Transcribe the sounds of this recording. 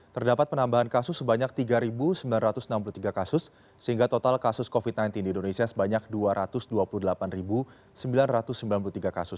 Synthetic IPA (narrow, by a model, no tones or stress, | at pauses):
t̪ərdapat̪̚pənambaɦankasʊsːəbaɲak̚t̪iɡaɾibusəmbilanrat̪ʊsənamp̬ulut̪iɡakasʊsː | əɦiŋɡat̪ot̪alkasʊskofit̪̚najnt̪indindonesiasəbaɲak̚duaɾʔat̪ʊsduapuluhdəlapanribu | səmbilanrat̪ʊsːəmbilanp̬ulut̪iɡakasʊs